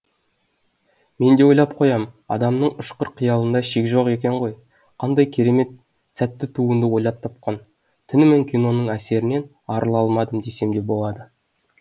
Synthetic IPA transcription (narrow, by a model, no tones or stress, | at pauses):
me̞nd̪e̞wo̞jlˠɑp̚qʰo̞jɑmɑ̰d̪ɑmnəɴʊʃqəɾqʰijɑlˠənd̪ɑʃekʲʒo̞qe̞kʲe̞ɴʁo̞j | qʰɑnd̪ɑjkʲʰe̞ɾe̞me̞t̪̚ | sæt̪ːɪt̪ʰuənd̪əwo̞jlˠɑp̚t̪ʰɑp̚qɑn | t̪ʰʏnɪmeŋkʲʰino̞nəɴæse̞ɾɪne̞n | ɑɾəlˠɑlˠmɑd̪əmd̪e̞se̞md̪e̞p̚bo̞lˠɑd̪ə